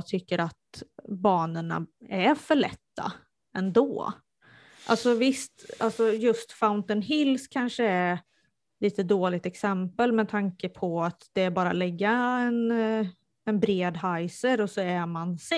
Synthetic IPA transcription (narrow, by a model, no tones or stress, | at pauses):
t̪ʰʏkːəɾat̪bɑːnəɳa̰æɾfœɭɛ̰t̪ːa̰ | ɛnd̪o̰ː | ʔa̰lsɔvɪst̪alsɔjɵst̪faʊnt̪ɔnɦɪlskʰanʂəæɾ | liːt̪əd̪oːlɪɡ̚t̪ɛksɛmpəlmɛt̪ʰaŋkəpʰɔat̪d̪̥ɛæɾbɑːɾa̰lɛɡːaɛn | ɛnbɾeːd̪ɦajsəɾɔsɔæmansɛ